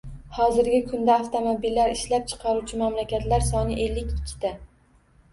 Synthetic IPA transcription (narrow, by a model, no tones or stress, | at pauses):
hɒzɪɾɡʲɪkʰʊnd̪aːft̪ʰomobilːaɾɪʃlap̚t͡ʃʰɨ̥qʰɑɾut͡ʃʰɪmamlakʲʰat̪laɾsɒnɪʔe̞lːɪkʲɪkʲʰːɪ̥d̪a